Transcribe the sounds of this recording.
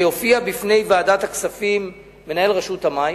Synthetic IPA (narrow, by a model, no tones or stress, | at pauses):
jofiabifne̞jvaːdataksafimː | e̞nae̞lʁeʃuthamaj